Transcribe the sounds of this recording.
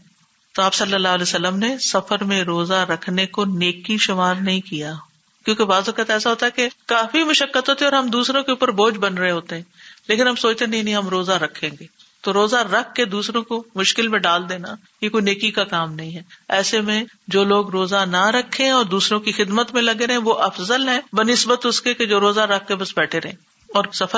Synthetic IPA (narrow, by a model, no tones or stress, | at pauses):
t̪oaːpsɐlːəlːaːɦəlɛjsɐlːəmnesɐfəɾmẽɾoːzaɾɐkʰnekoneːkiʃʊmaːɾnɐɦĩkija | kjõːkebaːzokət̪ɛːsaɦoːt̪aɦɛkekaːfimʊʃəkːət̪ɦoːt̪ɛ̃ɔːɾɦɐmd̪uːsɾõkeuːpəɾboːd͡ʒbɐnɾɐɦeɦoːt̪eɦɛ̃ːleːkɪnɦɐmsoːt͡ʃt̪enɐɦĩnɦĩɦɐmɾoːzaɾɐkʰːẽːŋɡeː | t̪oɾoːzaɾɐk̚ʰːed̪uːsɾõkomʊʃkɪlmẽɖaːld̪eːna | jekoineːkikakaːmnɐɦĩɦɛːɛːsemẽ | d͡ʒoːloːɡɾoːzanaɾɐkʰːeɛ̃ɔːɾd̪uːsɾõkixɪd̪mət̪mẽlɐɡeɾɦɛ̃ʋoʔɐfzəlɦɛ̃ːbɐnɪsbət̪ʊskeked͡ʒoːɾoːzaɾɐk̚ʰːebɐsbɛːʈʰeɾɐɦẽ | ɔːɾsɐfə